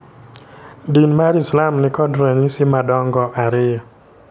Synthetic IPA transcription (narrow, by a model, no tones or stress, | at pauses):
dinmaɾislamnɪkɔdɾeɲisɪmadɔŋɡɔʔaɾɪjɔ